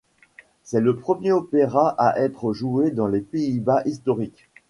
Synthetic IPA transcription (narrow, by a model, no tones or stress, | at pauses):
sɛləpχəmjeɔpeʁaʔaʔɛt̪χəʒued̪ɑ̃lepeibaʔist̪ɔʁikʲ